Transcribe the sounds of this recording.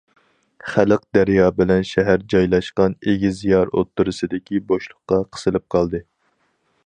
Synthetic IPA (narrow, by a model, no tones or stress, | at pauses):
χælɨq̚d̪æɾjɑːbɪlɛnʃɛɦæɾd͡ʒɑjlˠɑʃqɑneɡʲizijɑɾo̰t̪ːuɾɨsɨd̪ɪkʲʰiboʃlˠʊqːɑqʰə̥sɨlɨp̚qʰɑlˠd̪ɨ